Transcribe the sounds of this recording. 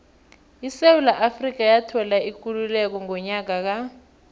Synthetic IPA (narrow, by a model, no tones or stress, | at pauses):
isewulaʔafrik̬ajatʰɔlaik̬ululɛk̬ɔŋɔɲak̬ak̬a